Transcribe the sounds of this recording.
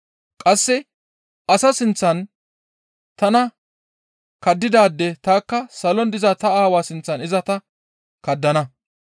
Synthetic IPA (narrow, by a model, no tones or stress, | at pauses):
kʼɐsːɛ | ʔɐsɐsɪnt͡sːɐn | t̪ɐnɐ | kɐd̪ːɪd̪aːd̪ːɛt̪aːkːɐsɐlɔnd̪ɪzɐt̪ɐaːwaːsɪnt͡sːɐnɪzɐt̪ɐ | kɐd̪ːɐnɐ